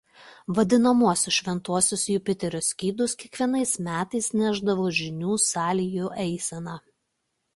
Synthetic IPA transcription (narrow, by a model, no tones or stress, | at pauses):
ʋɐd̪ʲɪnɐmuɔsʲʊsʃʲʋʲɛnt̪uɔsʲʊsjʊpʲɪt̪ʲɛɾʲosʲkʲiːd̪ʊskʲiɛkʋʲiɛnɐɪsmʲæːt̪ɐɪsnʲæʒd̪ɐʋoːʒʲɪnʲuːsɑːlʲɪjuːʔɛɪsʲɛnɑ